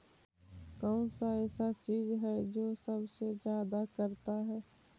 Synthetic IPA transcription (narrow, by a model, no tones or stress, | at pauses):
kɔːnsaɛːsat͡ʃiːzɦɛd͡ʒoːsɐbsed͡ʒjaːd̪akɐɾt̪aɦɛː